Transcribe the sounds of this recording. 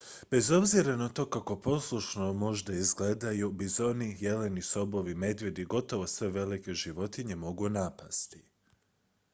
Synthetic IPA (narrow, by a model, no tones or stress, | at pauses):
b̥e̞zo̞bziɾanat̪o̞ːkako̞po̞slˠuʃnomo̞ʒd̪aizɡle̞d̪ajubizo̞nije̞le̞niso̞bo̞ʋime̞d̪ʋje̞d̪iɡo̞t̪o̞ʋosʋe̞ʋe̞like̞ʒiʋo̞t̪iɲe̞mo̞ɡunapast̪i̥